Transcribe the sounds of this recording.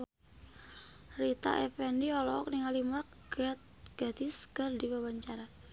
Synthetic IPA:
rit̪a̰ʔɛfɛndiɔlɔːk̚niŋalimɔrk̚ | t̪ | ɡ̥at̪iskərdiwawaɲt͡ʃaɾa

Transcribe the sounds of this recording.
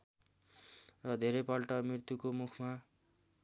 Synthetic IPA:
rʌd̪ʱeɾʌjpʌlʈʌmirt̪ukomukʰma

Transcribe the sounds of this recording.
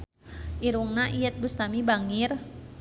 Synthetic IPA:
ʔiɾuŋnaʔijət̪̚bust̪amibaŋir

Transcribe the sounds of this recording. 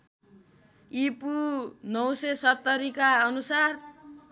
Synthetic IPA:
ipunʌwsesʌt̪ːʌɾikaʌnusar

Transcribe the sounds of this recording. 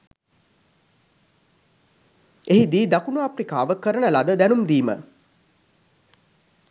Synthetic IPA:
eɦid̪iːd̪akunuaprikaːʋəkːəɾənəlad̪əd̪ænumd̪iːmə̰

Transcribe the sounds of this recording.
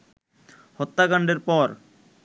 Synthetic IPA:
hɔt̪ːakaɳɖeɾpɔɾ

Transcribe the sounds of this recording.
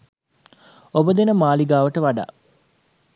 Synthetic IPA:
obəd̪enəmaːliɡaːʋəʈəʋaɖa̰ː

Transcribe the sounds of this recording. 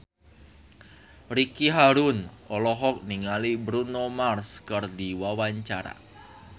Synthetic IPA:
rikiɦaɾunʔɔlɔɦɔk̚niŋalibɾunomarskərdiwawaɲt͡ʃaɾa̰

